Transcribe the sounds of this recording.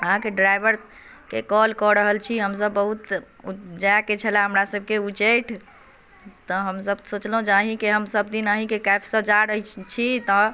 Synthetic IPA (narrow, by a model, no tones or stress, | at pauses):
əɦãkeɖɾajbəɾ | kekɔlkɔɾəɦəlt͡ʃʰiɦəmsəbːəɦut̪ | ud͡ʒaket͡ʃʰəlaɦəmɾasəb̚keut͡ʃəjʈʰ | t̪ɔɦəmsəbsot͡ʃlɦũd͡ʒaɦĩkeɦəmsəbd̪inaɦĩkekajbʰsə̃d͡ʒaɾəɦit͡ʃʰit̪ɔ